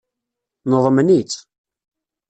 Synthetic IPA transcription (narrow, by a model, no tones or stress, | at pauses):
nəðˤmnit͡s